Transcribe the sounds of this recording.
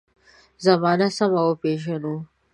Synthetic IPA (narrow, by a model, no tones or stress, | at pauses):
zɐmɑːnasɐmɐwopeːʃ̬ɐnu